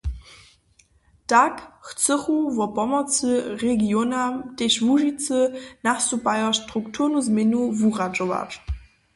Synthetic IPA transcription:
takxt͡səχuvɔpɔmɔt͡səʁeɡjonamteʃvuʒit͡sənasupʼajɔʃtʁuktʰuʁnuzmenuvuʁad͡ʒova̰ʈ͡ʂ

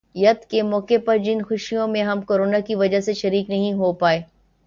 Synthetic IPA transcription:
jɐt̪kemɔːkepɐɾd͡ʒɪnxʊʃijõmẽɦɐmkoːɾoːnakiʋɐd͡ʒaɦseʃɐɾiːknɐɦĩɦopaːeː

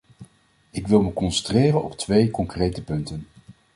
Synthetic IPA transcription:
ɪkʋɪlˠməkɔnsəntreːrənɔ̰ptʋejkɔŋkrejtəpɵntən

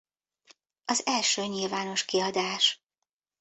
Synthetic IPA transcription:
ɒzɛlʃøːɲilvaːno̞ʃkiɒd̪aːʃ

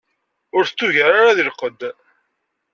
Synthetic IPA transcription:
ʊɾθə̥t͡sːuʝəɾaɾaðilqəd̪

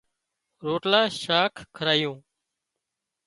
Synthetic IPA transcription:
ɾoːʈlaːʃaːkʰːəɾaːjõː

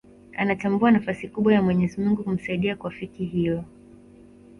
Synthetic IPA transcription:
anatambuanafasikuɓwajamwɛɲɛzimuŋɡukum̩saiɗiakuwafikiɦijɔ

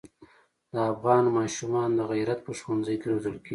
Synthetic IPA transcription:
d̪əafɣɑnmɑʃumɑnd̪əɣajɾat̪̚pəʃwanzəjkeɾozəlkeɡi

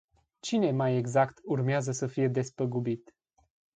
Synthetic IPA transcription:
t͡ʃine̞majeɡzakt̪urmeazəsəfije̞d̪e̞spəɡubit̪

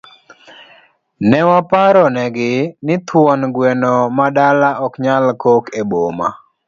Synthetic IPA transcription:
nɛwapaɾɔnɛɡɪnɪt̪wɔnɡwenɔmadalaʔɔkɲalkokeboma̰

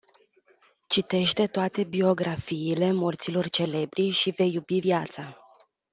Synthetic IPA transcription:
t͡ʃit̪e̞ʃt̪e̞t̪oat̪e̞bio̞ɡɾafiːle̞mo̞rt̪silo̞rt͡ʃe̞le̞bɾiʃive̞jubiviat̪sa

